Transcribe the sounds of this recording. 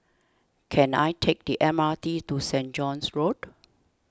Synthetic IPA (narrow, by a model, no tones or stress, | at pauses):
kʰɛ̃na̰jtʰek̚diʔɛmatitusɛ̃nd͡ʒɔ̃nsɹod